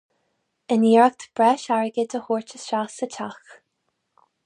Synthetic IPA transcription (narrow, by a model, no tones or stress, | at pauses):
ɪniːɹak̚t̪ʰb̥ɹɛːʃaɹəɡəd̪əhuːɹt͡ʃəsʃasət͡ʃʰax